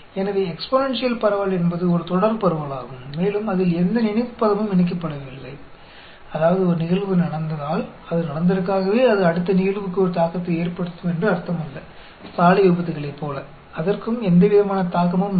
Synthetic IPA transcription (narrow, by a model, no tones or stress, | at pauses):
ɛnɐʋeːɛksponɛnsɪjɐlpɐɾɐʋɐlɛnbɐðɯɔɾɯt̪ɔɽɐɾpɐɾɯʋɐɭaːɣɯmːeːlɯmɐðɪlɛnd̪ɐnɪnɪpːɐɣɐmɯmɪnɪk̬ːɐpːɐɽɐʋɪlːɐɪ | ɐðaːʋɐðɯɔɾɯnɪɣɐɭʋɯnɐɽɐnd̪ɐðaːl | ɐðɯnɐɽɐnd̪ɐɾɯkːaːɣɐʋeːɐðɯɐɽɯt̪ːɐnɪɣɐɭʋɯkːɯɔɾɯt̪aːkːɐt̪ːɐeːrpɐɽɯt̪ːɯmɛndrɯɐɾɯt̪ːɐmʋɐnd̪ɐ | st̪aːlɐjuːbɐt̪̬ːɯɣɐɭɐɪpːoːlɐ | ɐðɐrkɯmɛnd̪ɐʋɪðɐmaːnɐt̪aːkɐmɯm